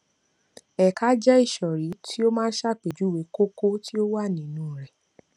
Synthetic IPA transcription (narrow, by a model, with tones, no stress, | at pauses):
ɛ˨ka˦d͡ʒɛ˦i˦˨ʃɔ˨ɾi˨˦tʰi˦o˦mãː˦ʃa˦˨k͡pe˨d͡ʒu˨˦we˨˦ko˦ko˦ti˦o˦wa˦˨nĩ˨˦nũː˨˦˨ɾɛ˨